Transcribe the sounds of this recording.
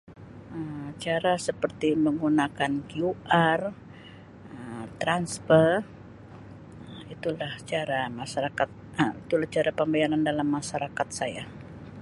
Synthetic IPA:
əmt͡ʃaɾasəpərt̪iməŋɡunakankiuʔar | əmt̪ɾansfər | əit̪ulaht͡ʃaɾamaʃaɾakat̪̚ | əit̪ulaht͡ʃaɾapəmbajaɾandalamːaʃaɾakat̪̚saja

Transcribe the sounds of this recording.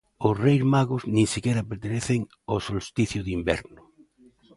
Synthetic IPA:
ʊsrejzmaɣʊznĩŋsikɛɾɐpeɾt̪eneθeŋ | osolst̪iθjʊðimbɛ̰ɾnʊ

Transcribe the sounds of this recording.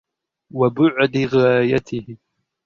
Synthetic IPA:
wabʊʕd̪ɪɣaːjat̪ʰɪhɪ

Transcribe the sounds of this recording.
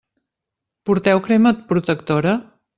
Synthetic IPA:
puɾt̪ɛwkɾemət̪̚pɾut̪əkt̪oɾə

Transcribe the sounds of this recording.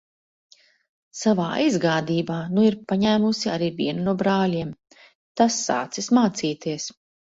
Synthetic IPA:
savaːizɡaːd̪iːbaːnuiɾpaɲæːmusiaɾiːvḭɛnunuɔbɾaːlʲiɛm | t̪asːa̰ːt̪sismaːt̪siːt̪iɛs

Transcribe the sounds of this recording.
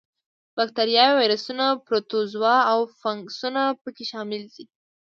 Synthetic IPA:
b̥ak̚t̪aɾjɑjwajɾasunapɾot̪ozwɑawfaŋksunapəkeʃɑmɪld̪i

